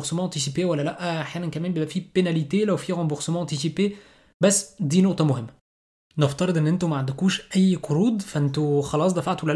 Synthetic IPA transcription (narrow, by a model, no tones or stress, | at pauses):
ɾsemɑ̃ʔɑ̃t̪is̬ipewælːælæʔʔaħjæːnænkæmæːnmbjeːbʔæfiːpenælit̪elæwfiɾɑ̃mboɾsemɑ̃ːʔɑ̃t̪isipe | bæsːd̪iːnoʔt̪ˤɑmohɪmːæ | neft̪ɑɾˤed̪ˤʔenːʔent̪umæʕand̪ækuːʃʔæjːqoɾuːd̪fæʔent̪oxɑlɑːs̬ˤd̪æfaʕt̪wælæ